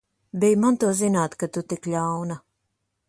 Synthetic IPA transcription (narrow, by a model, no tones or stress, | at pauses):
bʲɛjmant̪uɔzinaːt̪kat̪ut̪ikʎʲawna